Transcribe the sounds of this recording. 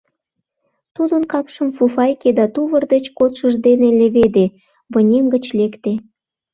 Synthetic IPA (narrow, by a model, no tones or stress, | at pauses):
t̪ud̪ənkɑpʃə̆mfufɑjked̪ɑt̪uβə̆rd̪et͡ɕkot̪ʃəʒd̪enelĕβed̪e | βɤnʲemɡə̆t͡ɕlekt̪e